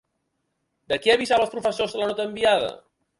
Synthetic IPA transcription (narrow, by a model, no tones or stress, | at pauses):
d̪əkiəβizaβəlˠspɾufəsozðələnɔt̪əːmbiað̞ə̰